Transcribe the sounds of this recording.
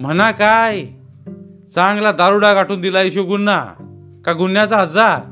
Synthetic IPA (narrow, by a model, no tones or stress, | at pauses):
m̤ənakaj | t͡sãŋɡlad̪aɾuɽaɡaʈʰuːnd̪ilaiɕoɡunːa̰ | kaɡunjat͡saɦəd͡zaɾ